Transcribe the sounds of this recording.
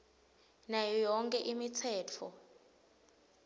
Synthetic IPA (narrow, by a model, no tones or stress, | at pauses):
najɔjɔŋkʼɛʔimit͡sʰɛːt͡fʰɔ